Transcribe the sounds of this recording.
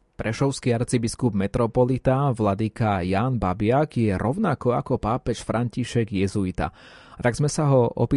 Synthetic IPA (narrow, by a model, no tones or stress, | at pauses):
pɾɛʃɔʊskiaɾt͡sibiskubmɛt̪ɾɔpɔlit̪aʋlad̪ikajaːnbabɪaɡjɛɾɔʊnakɔakɔpaːpɛʃfɾʔaɲciʃɛɡjɛzuit̪a̰ | t̪aɡzmɛsaɦɔʔɔ̰piː